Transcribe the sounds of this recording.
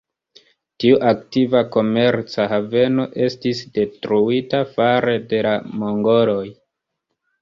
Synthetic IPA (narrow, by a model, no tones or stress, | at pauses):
tiuʔaktivako̞me̞ɾt͡sahave̞no̞ʔe̞stisde̞tɾuitafaɾe̞de̞lamo̞ŋɡo̞lo̞j